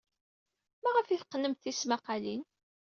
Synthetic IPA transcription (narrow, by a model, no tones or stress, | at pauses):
mæʁəfiθqːənəmθismæqɑlin